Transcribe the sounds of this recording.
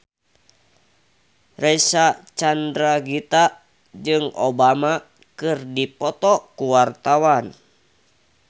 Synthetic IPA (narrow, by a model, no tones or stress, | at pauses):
rɛsat͡ʃandɾaɡit̪a | d͡ʒɨŋo̰bama | kɨrdipɔt̪ɔkuwart̪awan